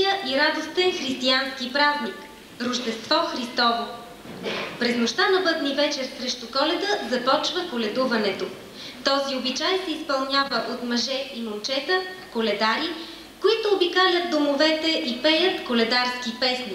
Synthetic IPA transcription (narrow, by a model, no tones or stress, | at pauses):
jəʔiɾad̪ost̪ɛnxɾist̪ianskipɾaznik | ɾʊʒd̪ɛst̪vɔxɾist̪ɔvo | pɾɛznoʃt̪anɐbɤd̪nivɛt͡ʃɛɾsɾɛʃt̪ukɔlɛd̪əzɐpɔt͡ʃvəkolɛd̪uvɐnɛt̪o | t̪ɔziobit͡ʃajɛsɛispɐlˠnʲjavəʔot̪mɐʒɛʔimont͡ʃɛt̪ə | kolɛd̪aɾi | koit̪oːbikalʲət̪̚d̪omovɛt̪ɛʔipɛjət̪kolɛd̪aɾskipɛsni